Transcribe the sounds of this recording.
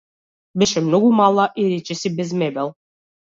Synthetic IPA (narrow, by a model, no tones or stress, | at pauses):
bɛʃɛmnoɡumalˠaʔiɾɛt͡ʃɛsibɛzmɛbɛlˠ